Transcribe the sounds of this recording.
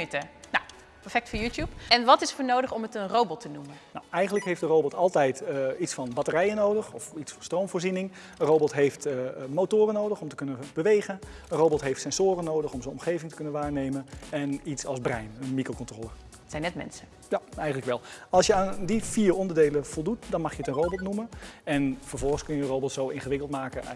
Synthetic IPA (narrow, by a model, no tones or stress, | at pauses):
ytənaw | pɛɹfɛk̚tfoːjutjupɛnʋɑtɪsfoːɹnowdəχɔmətənrowbɔtʰənumənawɛjχəntləkɦejfdərowbɔtʰɑlˠtɛjtitsfɑnbɑtərɛjənowdəχɔfitsfɑnstrowmvʊːɹrzinɪŋ | ənrowbɔtɦejftmowtʊːrənːowdəχɔmtə̥kɵnəb̥əʋejχən | ənrowbɔtɦejftsɛnzoːɾənːoːwdəχɔmzəɔmχejvɪŋtəkønənʋaːɹnejmənɛnitsɑlˠzbrɛjnənmikrokɔntroːlˠə | tsɛjnɛtmɛ̰nsə | jaɛjχəntləkʋɛlˠɑlˠsjəaːndifiːrɔndərdejləvɔlˠdutdɑnmɑχxjəətənrowbɔtnuməɛnfəɹvɔlˠχənskɵnjəərowbɔtsowɪnχəʋɪkəlˠtmaːkə